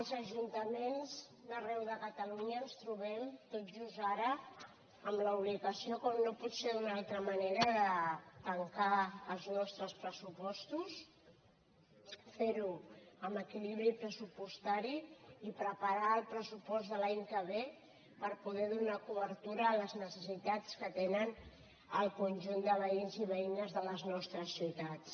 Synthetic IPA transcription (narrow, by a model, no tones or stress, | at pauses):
əlˠzəʒunt̪əmenz | ðərɛwðəkət̪əluɲəːnst̪ɾuβɛmt̪ot̪ʒuzaɾə | əmləuβliɣəsiokɔmnopɔt̪seðunalˠt̪ɾəməneɾəðət̪əŋkaəlˠznɔst̪ɾəspɾəsupɔst̪us | feɾuəməkiliβɾipɾəsupust̪aɾiːpɾəpəɾaːlˠpɾəsupɔzðəlaɲkəβe | pəɾpuð̞ɛðunakuβəɾt̪uɾəːləznəsəsit̪at͡skət̪enən | əlˠkunʲʒund̪əβəinziβəinəzðələznɔst̪ɾəsːiwt̪att͡s